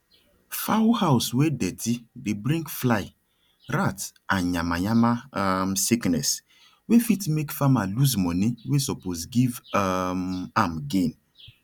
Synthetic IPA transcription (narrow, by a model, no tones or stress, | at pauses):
fawhaʊswedɛtʰibibɾĩŋkflaɪ | ɾatanɲamaɲamamsiknɛs | wefitmekfamaluzmɔniwesɔpozɡivmamɡen